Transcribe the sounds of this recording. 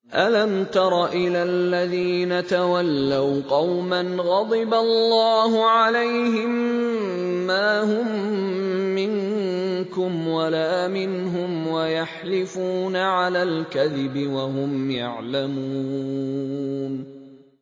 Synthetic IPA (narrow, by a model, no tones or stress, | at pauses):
ʔalamt̪ɑɾˤɑʔɪlalːaðiːnat̪awalːawqɑwmanɣɑd̪ˤɪbalːɑːhʊʕalajhɪmː | aːhʊmː | ɪŋkʊmwalaːmɪnɦʊmwajaħlɪfuːnaʕalaːlkaðɪbɪwaɦʊmja̰ʕlamuː | n